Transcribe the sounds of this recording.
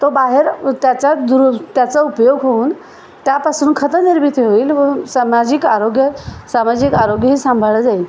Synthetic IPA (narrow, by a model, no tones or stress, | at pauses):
t̪obaɦeɾt̪jat͡ɕad̪ɾut̪jat͡saupjoɡɦouːn | t̪japasuːnkʰət̪əniɾmit̪joʋiːlʋəsamad͡ʑiːkaɾoɡjəsamad͡ʑiːkaɾoɡjəɦiːsãmbʱəɭəd͡zail